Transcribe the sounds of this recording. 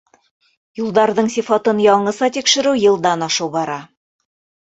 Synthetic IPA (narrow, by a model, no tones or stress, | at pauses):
julˠd̪ɑɾðɤɴsifɑt̪ɤnjɑɴɤ̆sɑt̪ikʃɘ̆ɾʉwjɤ̆lˠd̪ɑnɑʃɤwbɑɾɑ